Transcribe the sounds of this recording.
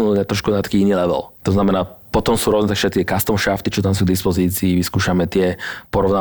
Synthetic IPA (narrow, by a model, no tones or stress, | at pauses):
nuɲat̪ɾɔʃkunat̪ḁkiːiniːlɛʋɛ̰lt̪ɔznamɛnaːpɔt̪ɔmsuːɾɔɔznɛt̪akʃɛt̪t̪ɪɛkast̪ɔmʃaft̪it͡ʃɔt̪ams̬uːɡd̪ispɔziːt͡siːʋiskuːʃamɛt̪ɪɛpɔɾɔʊna